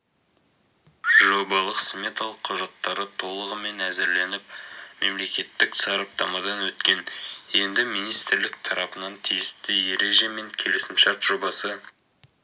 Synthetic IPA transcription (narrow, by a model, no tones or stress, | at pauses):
ʒo̞bɑlˠəqsmʲe̞t̪ɑlˠəqʰːʊʒɑt̪ːɑɾət̪ʰo̞lˠəʁəme̞næzɪɾle̞nɪp̚me̞mle̞kʲe̞t̪ːɪksɑɾɑp̚t̪ɑmɑd̪ɑnwɵt̪kʲe̞ne̞nd̪ɪmijnijst̪ɪɾlɪk̚t̪ʰɑɾɑpənɑnt̪ʰijɪst̪ɪje̞ɾe̞ʒe̞me̞ŋkʲʰe̞lɪsɪmʃɑɾt̪ʒ̥o̞bɑsə